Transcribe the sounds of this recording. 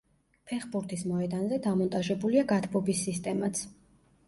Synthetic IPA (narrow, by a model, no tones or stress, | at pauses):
pʰɛχbuɾt̪ʰismɔɛd̪anzɛd̪amɔnt̪ʼaʒɛbuliaɡat̪ʰbɔbisːist̪ʼɛmat̪sʰ